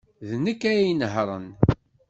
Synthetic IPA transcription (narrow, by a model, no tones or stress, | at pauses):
ðnəkːæjæjənɦɾˤə̰n